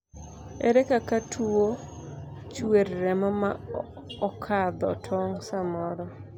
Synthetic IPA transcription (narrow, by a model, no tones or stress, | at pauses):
ɛɾɛkakatʰuo | t͡ʃweɾːɛmɔma̰ | ɔkʰad̪ɔ̰tʰɔŋsamɔɾɔ